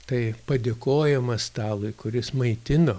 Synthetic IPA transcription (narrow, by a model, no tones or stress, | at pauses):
t̪ɐɪpɐd̪ʲeːkoːjɛmɐst̪ɑːlˠʊɪkʊɾʲɪsmɐɪt̪ʲɪnoː